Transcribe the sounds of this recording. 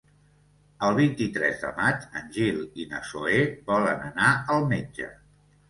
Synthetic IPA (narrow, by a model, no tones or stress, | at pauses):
əlˠβ̞int̪it̪ɾɛ̰zðə̰mat͡ʃənʲʒilinə̰soebɔlənənaəlˠmed͡ʒə̰